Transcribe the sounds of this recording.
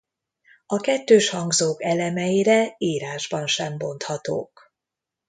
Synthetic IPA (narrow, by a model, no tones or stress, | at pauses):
ɒkɛt̪ːøːʃhɒŋɡzoːkɛlɛmɛjiɾɛiːɾaːʒbɒnʃɛmbo̞nt̪hɒt̪o̰ːk